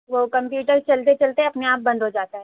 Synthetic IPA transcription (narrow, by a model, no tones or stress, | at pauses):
ʋoːkɐ̃mpjuːʈəɾt͡ʃɐlt̪̬et͡ʃɐlt̪eɦɛɐpneaːp̚bɐ̃nd̪ʱɦod͡ʒaːt̪aɦɛ